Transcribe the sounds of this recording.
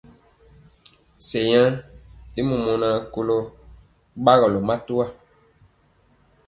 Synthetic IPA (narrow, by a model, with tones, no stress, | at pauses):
sɛ˨jã˦e˦mu˨mɔ˨nã˨ko˦lɔ˦ | ɓa˦ɣɔ˨lɔ˨ma˦tu˦a˦˨